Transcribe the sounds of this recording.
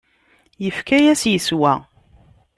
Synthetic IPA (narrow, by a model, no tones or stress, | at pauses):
jəfkæjæsjəswæ